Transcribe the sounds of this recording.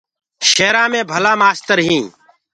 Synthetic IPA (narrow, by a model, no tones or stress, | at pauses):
ʃeːɾãːmẽːbʱəlaːmaːst̪əɾɦĩː